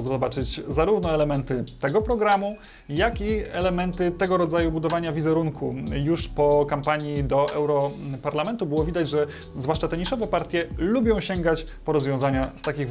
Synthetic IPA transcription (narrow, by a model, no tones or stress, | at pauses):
zɔbat͡ʂɘt͡ɕzaɾuvnɔɛlɛmɛnt̪ɘt̪ɛɡɔpɾɔɡɾamu | jakiɛlɛmɛnt̪ɘt̪ɛɡɔɾɔd̪zajubud̪ɔvaɲavʲizɛɾuŋkʰujuʂpɔkampaɲid̪ɔʔɛwɾɔpaɾlamɛnt̪ubɘwɔvʲid̪ad͡ʑʐɛ | zvwaʂt͡ʂat̪ɛɲiʂɔvɛpaɾt̪ʲjɛlubʲjɔ̃w̃ɕɛŋɡat͡ɕpɔɾɔzvʲjɔ̃zaɲast̪akʲiɣ